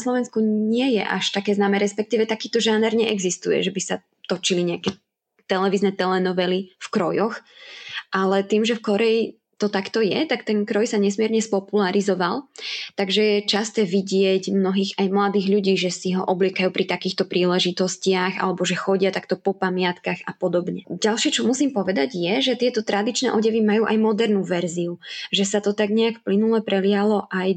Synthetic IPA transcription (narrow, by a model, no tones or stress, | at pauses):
slɔʋɛnskuɲɪɛjɛ̰ʔa̰ʃt̪akɛːznaːmɛːɾɛspɛk̚t̪iːʋɛt̪akiːt̪ɔʒanɛɾɲɛʔɛɡzist̪ujɛ̰ʒɛbisa | t̪ɔt͡ʃiliɲɛakɛ | t̪ɛlɛʋiznɛːt̪ɛlɛnɔʋɛlifkɾɔjɔx | ʔalɛt̪iːmʒɛfkɔɾɛi | t̪ɔt̪akt̪ɔjɛt̪akt̪ɛnkɾɔjsaɲɛsmɪɛɾɲɛspɔpulaɾizɔʋalˠt̪aɡʒɛjɛt͡ʃast̪ɛːʋiɟɪɛɟmnɔɦiːɣajmlad̪iːɣʎuɟiːʒɛsiɦɔ̰ʔɔblɪɛkajuːpɾʔit̪akiːxt̪ɔpɾiːlɛʒit̪ɔscɪaɣa̰lɛbɔʒɛxɔɟɪat̪akt̪ɔpɔpamɪat̪kaxapɔd̪ɔbɲɛɟalˠʃɪɛt͡ʃɔmusiːmpɔʋɛd̪aɟjɛʒɛt̪ɪɛt̪ɔt̪ɾʔad̪it͡ʃnɛ̰ːʔɔɟɛʋimajuːʔajmɔd̪ɛɾnuːʋɛɾziuʒɛsat̪ɔt̪aɡɲɛakfplinulɛpɾɛlɪalɔʔaj